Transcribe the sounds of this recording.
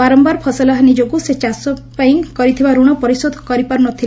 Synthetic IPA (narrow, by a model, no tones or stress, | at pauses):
baɾɔmbaɾpʰɔsalaɦanid͡ʒoɡuset͡ʃasɔpajĩŋkɔɾit̪ʰibaɾuɽ̃ɔpɔɾisɔd̪ʱɔkɔɾipaɾunɔt̪ʰil